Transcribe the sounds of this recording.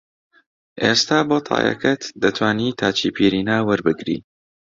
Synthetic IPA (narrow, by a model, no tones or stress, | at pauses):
ʔeːst̪aːboːt̪ʰɑ̰ːjɐ̰kɐt̪d̪ɐt̪ʰwaːniːt̪ʰaːt͡ʃiːpʰiɾiːnaːwɨɾbɨɡɾḭː